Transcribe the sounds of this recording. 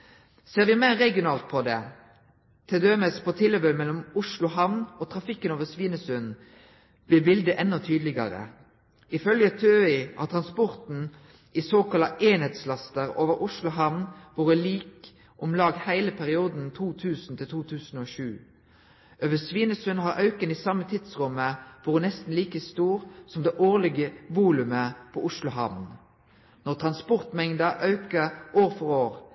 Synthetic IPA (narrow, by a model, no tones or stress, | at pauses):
seːʁʋɪmæɪʁːɛɡɪʊnɑːlt̪̚pʰɔd̪ɛ̰ | t̪ʰɪd̪øːməspʰɔt̪ʰɪləbømɛlːɔmʊʂlʊɦɑʋnoːt̪ʰʁɑfɪkːənoːʋəsʋiːnəsʉn | b̥lɪbɪld̪əʔɛnːɔt̪ʰyːd̪lɪɡɑ̰ʁə̰ | ɪfœljət̪ʰøːɪɑ̰t̪ʰʁɑnspɔʁt̪n̩ | ɪsoːkɑlɑʔeːnheːt̪slɑst̪əʁo̰ːʋəʁʊʂlʊɦɑʋnʋuːʁəliːk | ʔʊmlɑːɡhæɪləpʰæʁɪuːd̪n̩t̪ʰuːt̪ʰʉːsn̩t̪ʰɪlt̪ʰuːt̪ʰʉːsn̩oːʃʉː | ʔøʋəsʋiːnəsʉnɦɑʁʔɑʉkəniːsɑmːət̪ʰɪd̪̥sʁʉməʋuːʁənɛst̪n̩liːkəst̪uːʁsɔmd̪eːʔoːʁlɪɡəʋuːlʉməpʰɔːʔʊʂlʊɦɑʋn | nɔʁt̪ʰʁɑnspɔʁt̪mɛŋd̪əʔɑʉkəʔoːʁfɔʁoːʁ